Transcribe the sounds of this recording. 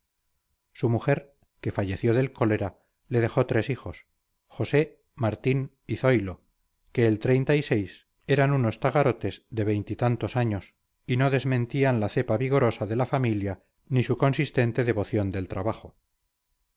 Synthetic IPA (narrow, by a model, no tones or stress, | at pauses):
sumuxe̞ɾ | ke̞faʝe̞θjo̞ðe̞lko̞le̞ɾa | le̞ð̞e̞xo̞t̪ɾe̞sixo̞s | xo̞se̞ | maɾt̪in | iθo̞jlo̞ | ke̞ːlt̪ɾe̞jnt̪aise̞js | e̞ɾanuno̞st̪aɣaɾo̞t̪e̞zðe̞β̞e̞jnt̪it̪ant̪o̞saɲo̞s | ino̞ðe̞zmẽ̞nt̪ianlaθe̞paβiɣo̞ɾo̞saðe̞lafamilja | nisuko̞nsist̪e̞nt̪eðe̞βo̞θjo̞nd̪elt̪ɾaβaχo